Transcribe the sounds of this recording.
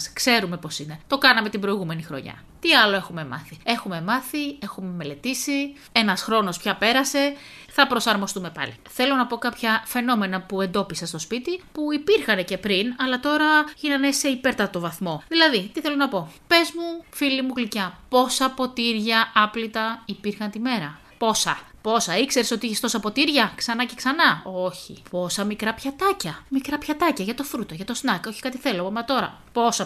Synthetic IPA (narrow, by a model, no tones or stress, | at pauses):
skse̞ɾume̞po̞sine̞t̪o̞kɐnɐme̞t̪ibɾo̞iɣume̞nixɾo̞̰ɲɐ̰ | t̪iɐlo̞e̞xume̞mɐ̰θie̞xume̞mɐθie̞xume̞me̞le̞t̪isi | e̞nɐsxɾo̞no̞spçɐpe̞ɾɐse̞ | θɐpɾo̞sɐɾmo̞st̪ume̞pɐ̰lḭ | θe̞lo̞nɐpo̞kɐpçɐfe̞no̞me̞nɐpue̞nd̪o̞pisɐst̪o̞spit̪ipuipiɾxɐne̞ce̞pɾinɐlɐt̪o̞ɾɐʝinɐnese̞ipe̞ɾt̪ɐt̪o̞vɐθmo̞ðilɐðit̪iθe̞lo̞nɐpo̞pe̞zmufilimuɣlicɐpo̞sɐpo̞t̪iɾʝɐɐplit̪ɐipiɾxɐnt̪ime̞ɾɐ | po̞sɐ̰po̞sɐikse̞ɾiso̞t̪iiçest̪o̞sɐpo̞t̪iɾʝɐksɐnɐce̞ksɐnɐoçḭpo̞sɐmikɾɐpçɐt̪ɐcɐmikɾɐpçɐt̪ɐcɐʝɐt̪o̞fɾut̪oʝɐt̪o̞snɐko̞çi̥kɐt̪iθe̞lomɐmɐt̪o̞ɾɐ̰ | po̞sɐ